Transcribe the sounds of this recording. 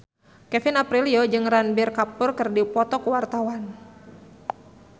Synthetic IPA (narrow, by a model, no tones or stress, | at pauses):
kɛfinapɾiliod͡ʒɨŋranbɪrkapʊrkɨrdipɔt̪ɔkuwart̪awan